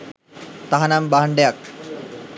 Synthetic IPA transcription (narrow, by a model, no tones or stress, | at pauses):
t̪aɦanambaɦɐɳɖejak̚